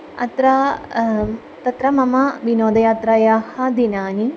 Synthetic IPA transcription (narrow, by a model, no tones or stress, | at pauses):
ɐ̰t̪ɾɐ | t̪ɐt̪ɾɐmɐmɐʋinoːd̪ɐjaːt̪ɾaːjaːhɐd̪inaːni